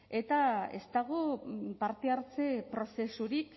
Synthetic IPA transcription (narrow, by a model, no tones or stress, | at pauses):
e̞t̪ae̞̰st̪aɣ̞opaɾt̪e̞aɾt͡se̞pɾo̞se̞suɾik